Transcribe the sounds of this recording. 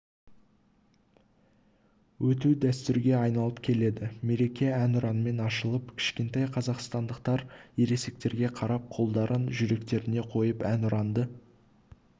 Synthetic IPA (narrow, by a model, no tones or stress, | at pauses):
wɵt̪ud̪æst̪ʏɾɡʲe̞ɑjnɑlˠəpkʲʰe̞le̞d̪ɪme̞ɾe̞kʲe̞ænʊɾɑnəme̞nɑʃəlˠəpkʲʰɪ̥ʃkʲe̞nt̪ɑjqʰɑzɑqst̪ɑnd̪əqt̪ɑɾjeɾe̞se̞k̚t̪e̞ɾɡʲe̞qʰɑɾɑp̚qʰo̞lˠd̪ɑɾənʒʏɾe̞kt̪e̞ɾɪne̞qʰo̞jəpænʊɾɑnd̪ə